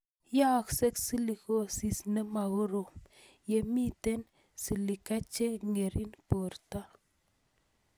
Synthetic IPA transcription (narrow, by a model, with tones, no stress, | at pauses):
ja˦˨kse˦ksi˦li˨ko˦si˨sne˦ma˨ɣo˦ɾo˨ | je˨mi˦t̪e˦n | si˨li˨ka˦t͡ʃe˦ŋe˨ɾʔi˦npo˨ɾta˦